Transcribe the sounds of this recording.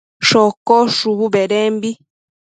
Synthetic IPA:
ʃɔkɔʃuβubɛɾɛmbi

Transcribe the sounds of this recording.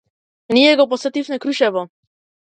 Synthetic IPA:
nijɛɡɔpɔsɛt̪ifnɛkɾuʃɛʋɔ

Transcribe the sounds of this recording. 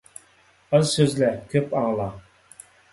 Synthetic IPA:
əzsøzlækʰʲøpʼɑʁlˠɑ

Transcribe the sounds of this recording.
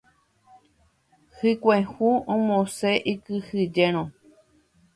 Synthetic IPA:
hɨkʷẽhuõmõseʔikɨhɨd͡ʒeɾ̃õ

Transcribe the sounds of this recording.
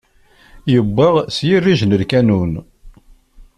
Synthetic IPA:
jəbːəʁsjirːiʒnəlkænun

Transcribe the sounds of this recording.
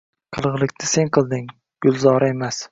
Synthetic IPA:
qʰɨlˠʁɨlˠɪkʲnʰɪse̞ŋqʰɨlˠd̪ɪŋ | ɡ̥ʊlˠzɒɾae̞mas

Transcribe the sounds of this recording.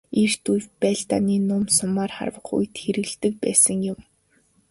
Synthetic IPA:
er̥t̪ujwpæːɮt̪a̰niːnʊmsʊmaːrχa̰rwə̆χṵjt̪xeɾɘ̆ɣɮt̪ɘ̆k̚pæ̰ːsə̆ŋjʊm

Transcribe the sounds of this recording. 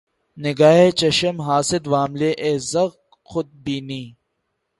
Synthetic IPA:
nɪɡaːɦet͡ʃɐʃəmɦaːsɪd̪ʋaːmleːʔeːzɐɣ | xʊd̪̚biːniː

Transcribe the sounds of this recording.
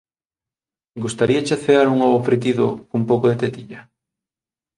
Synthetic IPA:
ɡust̪aɾiat͡ʃaθeaɾuŋoβofɾet̪̬iðʊkumpowkoðet̪et̪iʎɐ

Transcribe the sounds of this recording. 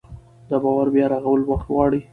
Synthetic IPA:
d̪əbɑwaɾbjɑɾaɣawəlwaxt̪wɑɽi

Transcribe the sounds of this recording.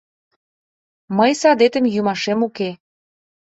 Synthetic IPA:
məjsɑd̪et̪ə̆mjumɑʃemuke

